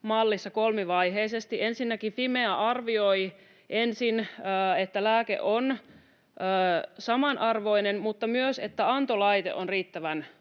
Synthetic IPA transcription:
mɑlːisːɑkolmiʋɑiɦeisest̪iʔensinːækipimeæʔɑrʋioi | ʔensinːet̪ːælæːkḛʔon | əːsɑmɑnʔɑrʋoinenmut̪ːɑmyøset̪ːæɑnt̪olɑjt̪ḛʔonriːt̪ːæʋæn

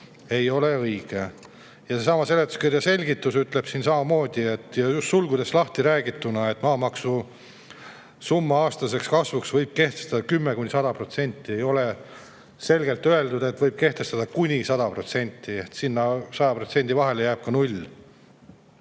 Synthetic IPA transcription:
e̞jo̞le̞ɤiɡ̥e | jɑsesɑmɑse̞let̪ːˑu̥skirjɑse̞lʲɡit̪ːˑusyt̪le̞b̥sinsɑmɑmo̞ːd̪̥ʲie̞t̪ːˑjɑjust̪sulɡud̪e̞slɑht̪iɾæːɡit̪ːunɑe̞t̪ːmɑːmɑksu | sumːɑɑːst̪ɑse̞kskɑsvuksvɤjb̥̚ke̞ht̪est̪ɑd̪ɑkymːekunʲisɑd̪ɑpro̞t̪se̞nʲt̪ːˑie̞jo̞le | se̞lʲɡe̞lt̪ːøe̞ld̪ud̪̥e̞t̪ːvɤjb̥̚ke̞ht̪e̞st̪ɑd̪ɑkunʲisɑd̪̥ɑpro̞t̪se̞nʲt̪ˑːiet̪sinːɑsɑd̪ɑpro̞t̪senʲd̪̥ivɑɦe̞lejæːb̥̚kɑnulʲː

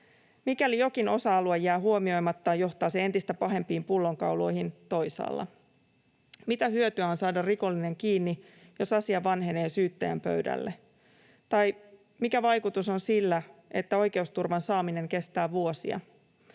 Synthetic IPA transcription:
mikælijo̞kino̞sɑɑluɑjæːɦuomio̞jmɑt̪ːɑːjo̞ht̪ɑːseent̪ist̪æpɑɦe̞mpiːmpulːo̞ŋkɑwlo̞̰jhint̪o̞jsɑ̰ːlːɑ̰ | mit̪æhyøt̪yæonsɑːdɑrriko̞lːine̞ŋkiːnːi | jo̞sɑsiɑʋɑnɦe̞ne̞ːsyːt̪ːæjæ̰mpø̰ɥdæ̰lːe | t̪ɑj | mikæʋɑjkut̪uso̞nsilːæe̞t̪ːæo̞jke̞ust̪urʋɑnsɑːmine̞ŋke̞st̪æːʋuo̞sḭɑ̰

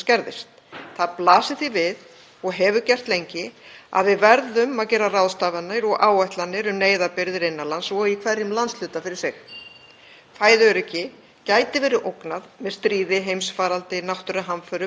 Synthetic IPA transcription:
scɛɾðɪ̰st̪ | θaðplaːsɪθivɪð | ɔɣɦɛvʏcɛr̥t̪lejɲcɪa̰ðvɪðvɛɾðʏmaðcɛːɾːarawðst̪aːvanːaɾɔɣʔaːwajht̪lanːɪɾʏmneːjðapɪɾðɪɾɪnːalansɔikʰvɛrjɪmlant̪sl̥ʏːt̪afɪɾɪɾ̥sɪx | faːjðʏɾɛcːɪ | caːjt̪ɪvɛːɾɪʔowknaðmɛðst̪ɾiːðɪɦejmsfaːɾalt̪ɪnawht̪ʏɾɪɦamfœɾʏ

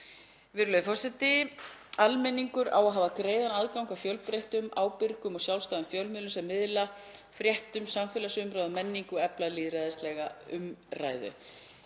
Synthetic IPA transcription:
vɪɾʏlœðɪfɔrsɛt̪ɪalmɛnːiŋkʏɾa̰waðɦaːvakɾeːjðanaðkawŋkafjœwlpɾejht̪ʏmaːwpɪɾkʏmɔɣsjaw̪st̪aːðʏmfjœwlmʏðlʏsɛmːɪðlafɾjɛht̪ʏmsamfɪlasʏmɾaːðɔmɛnːiŋkʏɛplaliːðɾajðɪst̪lɛɣaʏmra̰ːjðʏ̰

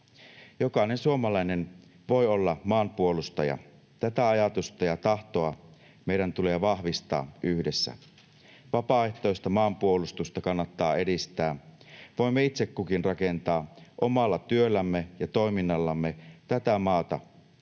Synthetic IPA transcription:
jo̞kɑne̞nsuomɑlɑjne̞n | ʋo̞jo̞lːɑmɑːmpuolust̪ɑjɑ̰ | t̪æt̪æɑjɑt̪ust̪ɑjɑt̪ɑht̪oɑ | meijɾænt̪ule̞ːʋɑhʋist̪ɑ̰ːyhdesːæ̰ | ʋɑpɑːeht̪ˑo̞jst̪ɑmɑːmpuolust̪ust̪ɑkɑnːɑt̪ːɑːe̞dist̪æːʋo̞imːeit̪sekːukinrɑke̞nt̪ɑːʔo̞mɑlːɑt̪yølːæmːejɑt̪o̞iminːɑlːɑmːet̪æt̪æmɑːt̪ɑ̰

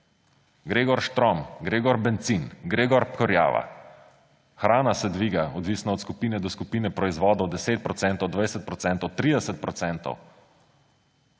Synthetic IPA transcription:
ɡɾeːɡɔɾʃt̪ɾɔmɡɾeːɡɔɾbɛnt̪sinɡɾeːɡɔɾpkɔɾja̰ːʋa̰ | xɾaːnasɛd̪ʋiːɡaɔd̪ʋiːsnɔɔt̪skupiːnɛd̪ɔskupiːnɛpɾɔizʋɔːd̪ɔwd̪ɛseːt̪̚pɾɔt̪sɛnt̪ɔwd̪ʋajsɛt̪̚pɾɔt̪sɛnt̪ɔwt̪ɾiːd̪ɛsɛt̪̚pɾɔt̪sɛnt̪ɔ̰w

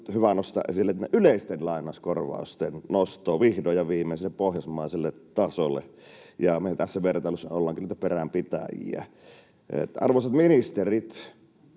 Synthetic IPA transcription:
hyʋænost̪ɑ̰ʔḛsilːet̪neʔyleˑist̪enlɑˑinˑɑˑskorʋɑ̰ˑust̪ennost̪ˑoːʋihdojɑʋiːmːeˑselːeppohjɑsmɑˑiselːet̪ɑsolːḛjɑmet̪æsːæʋert̪ɑˑlosːɑolːɑːŋkunːit̪æperæmpit̪æ̰jḭæ̰ | ḛt̪ɑ̰rʋoˑsɑt̪minist̪erit̪

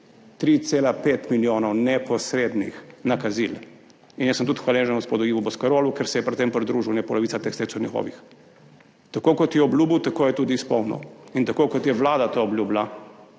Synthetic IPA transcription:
t̪ɾit̪seːlapeːt̪miljoːnɔwnɛpɔsɾed̪nḭxnakazil | injɛsəmt̪ut̪xʋaleʒɛnɡoɔspoːd̪ujiːʋubɔskaɾoːlukɛɾsɛjɛpɾɛt̪t̪empɾid̪ɾuːʒiwnɛpɔlɔʋit̪sat̪ekst̪esɔwnɲɛxɔ̰ʋḭx | t̪akoːkɔt̪jɛɔblʲuːbiwt̪akoːjɛt̪uːd̪iːspɔwnɔ̰int̪akoːkɔt̪jɛʋlaːd̪at̪oɔblʲjuːbla

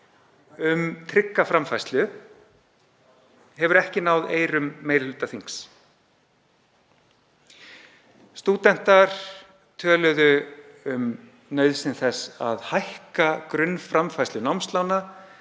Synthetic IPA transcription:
ʏmt̪ʰɾɪkːafɾamfajst̪lʏ | hɛvʏɾɛhcɪnawðeːjɾʏmːejllʏːt̪aθiŋks | st̪uːt̪ɛn̥t̪aɾ̥ | t̪ʰœːlœðʏ | ʏm | nœːɥðsɪnθɛsa̰ðhajhkakɾʏnfɾamfajst̪lʏnawmst̪lawna

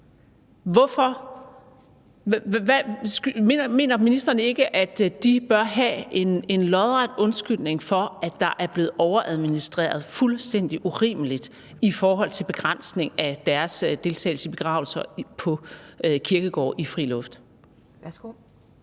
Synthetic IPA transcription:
ʋɒfɒ̽ | ʋsɡ̥me̝̰ːnɐminisd̥ʁɐnəe̝ɡ̥əʔæd̥d̥ib̥ɶɐɦæe̝ne̝nlɒðˠʁad̥ɔ̽nsɡ̥yl̰ne̝ŋfɒ̽æd̥ɑ̈ʔæɐb̥le̝ːð̩ˠʔɒʊɐʔæðˠminisd̥ʁḛːɐð̞̩ˠfulsd̥en̰d̥iʔuʁḭːməlid̥ | ifɒːɦɒ̽l̰t͡sʰe̝lb̥e̝ɡ̥ʁan̰sne̝ŋæd̥æɐsd̥e̝lt͡sʰɛ̰ːɪl̩səb̥e̝ɡ̥ʁɑ̈ːʊl̩sɐpʰɒ̽økʰiɐɡ̥əɡ̥ɒ̰ːʔifʁḭːlɔ̽fd̥

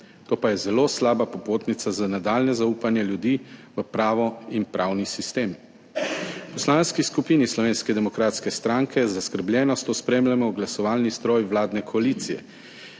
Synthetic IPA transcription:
t̪oːpajɛzɛloːslaːbapɔpoːt̪nit̪sazanad̪aːlnɛzauːpanjɛljud̪iːʋəpɾaːʋɔinpɾʔaːwnisist̪eːm | pɔslaːnskiskupiːnislɔʋeːnskɛd̪ɛmɔkɾaːt̪skɛst̪ɾaŋkʰɛzaskəɾbljɛːnɔst̪ospɾeːmlamɔɡlasɔʋaːlnist̪ɾoːjwlaːd̪nɛkʰɔaliːt̪sijɛ̰

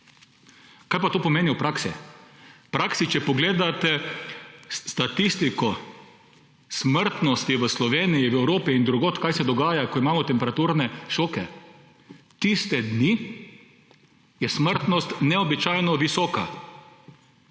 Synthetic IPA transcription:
kaːjpat̪oːpɔmeːniwpɾaːksḭ | pɾaːksit͡ʃɛpɔɡleːd̪at̪ɛ | t̪at̪ist̪ikɔ | sməɾt̪nɔst̪iʋəslɔʋeːnijiwɛwɾoːpiind̪ɾuɡoːt̪kajsɛd̪ɔɡaːjakɔimaːmɔt̪ɛmpɛɾat̪uɾnɛʃoːkɛ | t̪ist̪ɛd̪ni | jɛsməɾt̪nɔst̪nɛɔbit͡ʃajnɔʋisɔːka

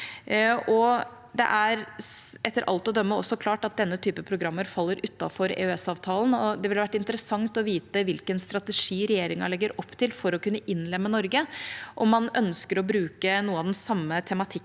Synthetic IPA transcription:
ɔ | d̪ɛ̰ʔæɾʔɛt̪ːəɾʔɑ̰lt̪ɔd̪œmːəɔ̰sːɔkʰlɑːʈɑt̪̚d̪ɛnːət̪ʰyːpəpʰɾʊɡɾɑmːəɾfɑlːəɾʉt̪ːɑ̰fɔɾḛːœɛsɑːʋt̪ʰɑːlən̩ɔd̪ɛʋɪlhɑʋæʈːɪnt̪əɾəsɑŋt̪ɔʋiːt̪əʋɪlkənst̪ɾɑt̪ɛʂiːɾɛjeːɾɪŋɑɭɛɡːəɾɔpːt̪ʰɪlfɔɾɔkʉnːəʔɪnːlɛmːənɔɾɡəʔɔmːɑnœnskəɾɔbɾʉːkənuːəɑʋd̪ɛnsɑmːət̪ʰɛmɑt̪ʰɪkː

